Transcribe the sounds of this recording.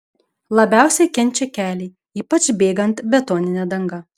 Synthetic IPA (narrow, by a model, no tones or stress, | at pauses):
lˠɐbʲæˑʊsʲɛkʲɛnʲˑt͡ʃʲɛkʲæːlʲɛ | iːpɐt͡ʃbʲeːɡɐnt̪bʲɛt̪oːnʲɪnʲɛd̪ɐŋɡɐ